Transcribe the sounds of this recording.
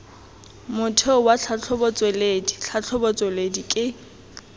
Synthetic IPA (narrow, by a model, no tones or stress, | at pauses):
mʊtʰeʊwat͡ɬʰat͡ɬʰɔbɔt͡sʼwelediɬʰat͡ɬʰɔbɔt͡sʼweledikʼɪ